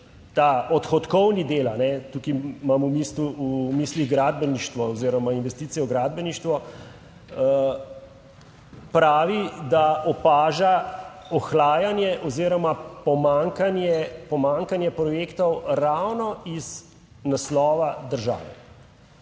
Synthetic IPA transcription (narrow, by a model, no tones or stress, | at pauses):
t̪aɔt̪xɔt̪kɔwnid̪eːlanɛt̪ukimamumiːsuumiːsliɣɡɾaːd̪̚bɛniʃt̪ʋɔɔziːɾɔmainʋɛst̪iːt̪sijɛwɡɾaːd̪̚bɛniʃt̪ʋɔ | pɾaːʋid̪aɔpaːʒaɔxlaːjanjɛʔɔziːɾɔmapɔmaŋkanjɛpɔmaŋkanjɛpɾɔjeːkt̪ɔwɾawnɔiz | naslɔːʋad̪əɾʒa̰ːʋɛ